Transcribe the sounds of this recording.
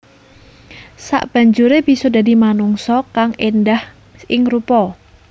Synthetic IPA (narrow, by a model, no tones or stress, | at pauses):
sa̰ʔb̥a̤ɲd͡ʒuɾeb̥isɔdadimanuŋsɔkaŋendah | ɪŋrupɔ